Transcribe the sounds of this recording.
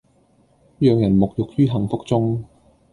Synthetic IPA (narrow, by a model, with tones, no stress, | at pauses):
jœː˨˧ŋjɐ˨˩nmʊ˨k̚jʊ˨k̚jyː˥ɦɐ˨˩ŋfʊ˥k̚t͡sʊ˥ŋ